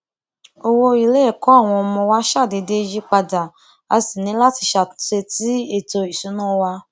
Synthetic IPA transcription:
o˧wo˧i˨le˦ɛ˦˨kɔ˨˦a˦˨w̃ɔ̃˧ɔ˧mɔ̃˧wa˦ʃa˦˨de˧de˧˦˧d͡ʒi˦k͡pa˧da˨ | a˧si˨nĩ˨˦la˦ti˧ʃa˨ʃe˧ti˦e˦˨to˧i˨sũ˨˦nũ˦˧wa˧

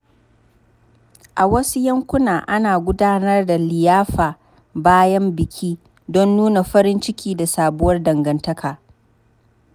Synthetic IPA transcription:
ʔa˨wɐ˦su˦jɐ˦ŋkʷʊ˦naː˨ʔa˦naː˨ɡʷʊ˦daː˦nɐ˦rda˨lɪ˨jaː˦ɸaː˨ | baː˦jɐ˦mbɪ˨kʲʰiː˦ | dɔ˦nːuː˦na˨ɸɐ˦ɾɪ˦nt͡ʃɪ˦kʲiː˦da˨saː˨bʊ˦wɐ˦rdɐ˨ŋɡɐ˨ntɐ˦kʰaː˨

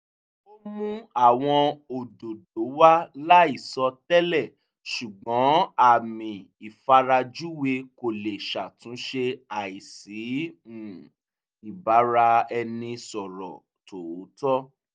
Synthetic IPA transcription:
o˦mũ˦a˦˨w̃ɔ̃˧o˨do˨do˨˦wa˦la˦i˦˨sɔ˧tɛ˦lɛ˦˨ | ʃu˨ɡ͡bɔ̃˨˦a˦˨mĩ˨ | i˨fa˧ɾa˧d͡ʒu˦we˧ko˨le˨ʃa˨tũ˨˦ʃe˧a˨i˨si˨˦˨ | i˨ba˨˦ɾa˧ɛ˧nĩ˧sɔ˨ɾɔ̰˨ | to˨˦tɔ˦

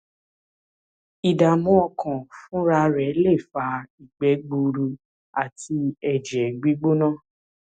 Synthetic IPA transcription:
i˨da˨mɔ̃˦ɔ˧kʰã˨fũ˦ɾa˧ɾɛ˨˦le˦˨fa˧i˨ɡ͡bɛ˨˦ɡ͡bu˧ɾu˧ | a˨ti˧ɛ˨d͡ʒɛ˨ɡ͡bi˦ɡ͡bo˦nãː˦˨

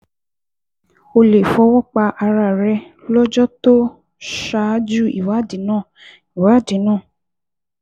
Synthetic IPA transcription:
o˧le˨fɔ˧˦wɔ˦k͡pa˧ʔa˧ɾa˧˨ɾɛ˧lɔ˦d͡ʒɔ˦to˦ | ʃa˧˦d͡ʒu˦˨ḭ˨wa˨˦di˨˦nãː˦˨ | i˨wa˨˦˨di˨˦nãː˦˨

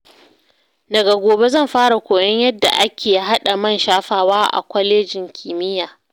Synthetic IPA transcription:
dɐ˨ɡa˨ɡʷoː˨be˦zɐ˦˨mɸaː˦ɽa˨kʷoː˨jɐ˦ɲjɐ˦dːa̰˨ʔa˦kʲeː˨ji˦ɦa˦ɗa˨mɐ˦˨nʃaː˦ɸaː˦waː˦ʔa̰˨kʷɔ˦leː˦d͡ʒɪ˨ŋkʲʰiː˨mɪ˦jaː˨

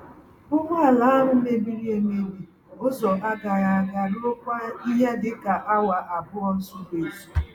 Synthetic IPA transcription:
ʊ˦mʷ˦a˦˨la˦a˦ɦʊ˦me˦bi˦ɾi˦e˨me˦bi˨ | ʊ˦zɔ˨ʔa˦ɡa˨ɾa˨a˨ɡa˦no˦kʷa˦i˦ɦa˦dɪ˨ka˨ʔa˦wa˨ʔa˨bʊ˦ɔ˦n̩˦sʊ˦be˨su̥˨

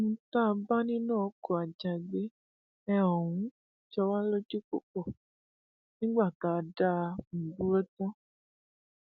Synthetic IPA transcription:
mũ˧˦ta˦˧ba˦nĩ˦nã˦˨˦kɔ˦˨a˨d͡ʒa˧˨i˨ɡ͡be˨˦ | ɛ˧ɔ˨wũ˨˦ | t͡ʃɔ˧wa˦lo˦d͡ʒe˦ko˨kɔ˨ | nĩ˦ɡ͡ba˦˨ka˨˦˧da˦˧m̩̃˨bu˦ɾɔ˦tɔ̃˦

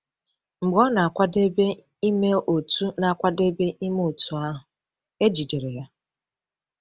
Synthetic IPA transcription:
ŋ͡m̩˨ɡ͡bɔ˦na˨a˨kʷa˦de˦be˦ | i˦me˦o˨tu˦na˨a˨kʷa˦de˦be˦ʔi˦m˦o˨tu˦a˦ɦʊ˨ | e˦d͡ʒi˨de˨ɾe˨ja˦

